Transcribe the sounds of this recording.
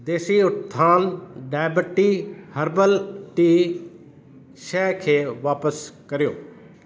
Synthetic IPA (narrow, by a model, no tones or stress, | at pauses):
d̪eːsiːʊt̪ʰːaːnɖaːɪbəʈiːhəɾbəlʈiː | ʃɛːkʰeːʋaːpəskəɾjo̰ː